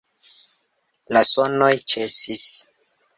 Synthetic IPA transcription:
lasonojt͡ʃesis

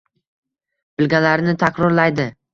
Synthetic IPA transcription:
b̥ɪlɡʲalaɾnɪt̪ʰakɾɒɾlajd̪ɪ

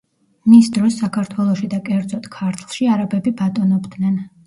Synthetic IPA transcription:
misd̪ɾɔsːakʰaɾt̪ʰwɛlˠɔʃid̪akʼɛɾd̪zɔt̪ʰkʰaɾt̪ʰlˠʃiaɾabɛbibat̪ʼɔnɔbd̪nɛn

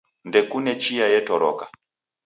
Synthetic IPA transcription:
ndɛkunɛt͡ʃijajɛtɔɾɔ̰ka

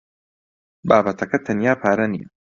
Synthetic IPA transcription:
baːbɐt̪ʰɐkɐt̪ʰɐnjaːpʰaːɾɐnḭjɐ̰

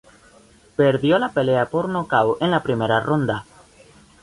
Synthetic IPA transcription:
peɾðjolapeleapoɾnokawẽnlapɾimeɾarond̪a

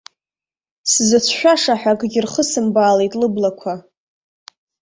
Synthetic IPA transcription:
szɨt͡sʷʰʃᶣʷaʂaħʷᶣakʼɡʲɪrχəsɨmbaːlejtʼlɨblakʷʰa

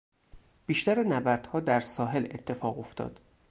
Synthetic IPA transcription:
b̥iːʃt̪æɾenæbæɾd̪̥hɒːd̪æɾsɒːɦe̞le̞t̪ʰːe̞fɒːɣo̞ft̪ʰɒ̰ːd̪̥

